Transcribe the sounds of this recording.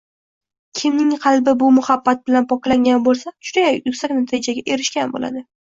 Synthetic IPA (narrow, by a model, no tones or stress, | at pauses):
kʲʰɪmnɪŋqʰɑlˠbɪbʊmʊhɑbːat̪̚bɪlanpʰɒklaŋɡʲanbolˠsaʃʊd̪ajajʊkʲsakʲnat̪ʰɪd͡ʒaɡʲaʔe̞ɾɪʃkʲanbo̰la̰d̪ɪ